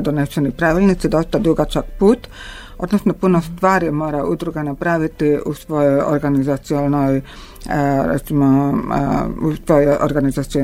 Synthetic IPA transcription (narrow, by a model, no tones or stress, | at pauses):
d̪onesenopɾaʋilʲnit̪sid̪o̞st̪ad̪uɡat͡ʃakpuːt̪ | o̞d̪nosnopunost̪ʋaːɾjemo̞ːɾaʔud̪ɾuɡanapɾaʋit̪iusʋo̞jojo̰ɾɡanizat̪sionoj | ɾḛt̪simo | usʋoojo̰ɾɡanizat̪sio